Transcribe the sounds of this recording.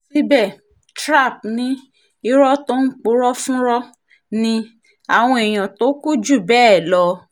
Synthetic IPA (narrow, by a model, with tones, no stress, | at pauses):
si˦bɛ˦˨ | tɾa˦˨p̚nĩ˨˦ | i˦ɾɔ˦to˦n̩˦k͡pu˦ɾɔ˦fũ˦ɾɔ˦ | nĩ˧ | a˨w̃ɔ̃˧ɛ˨j̃ã˨to˨˦ku˦d͡ʒu˦˨bɛː˦˨lɔ˧˦